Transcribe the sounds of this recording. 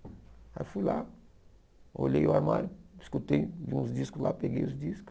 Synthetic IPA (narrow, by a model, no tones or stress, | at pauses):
a̰jfujla | o̰ʎejʊaɾma̰ɾʊiskut̪ejvĩũzdiskʊzla̰peɡejʊzd̪iskʊ̥